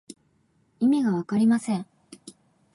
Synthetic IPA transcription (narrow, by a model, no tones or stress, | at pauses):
imʲiɡaβakaɾʲimasẽ̞ɴ